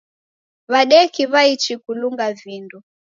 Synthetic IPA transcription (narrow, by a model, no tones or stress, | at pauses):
βaɗɛkiβait͡ʃikuluŋɡavindu